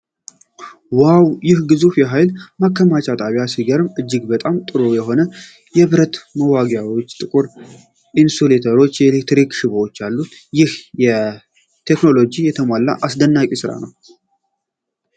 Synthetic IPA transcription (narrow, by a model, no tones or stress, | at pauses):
wawjɪhɡɨzufjɛɦajlmakːəmat͡ʃat̪ʼaβjasiɡəɾɨmɨd͡ʒːɪɡbət̪ʼamt̪ʼɨɾojɛɦo̞nə | jɛβɨɾət̪məwaɡjawo̞t͡ʃːt̪ʼɨkʼuɾ | ʔinsulet̪ʰəɾo̞t͡ʃːjɛɛlek̚t̪ɾikʃɨβot͡ʃːalːut̪jɪhjɛ | t̪ʰe̞kno̞lo̞d͡ʒijɛt̪ʰəmʷalːa̰ʔasd̪ənːakʼisɨɾa̰nəw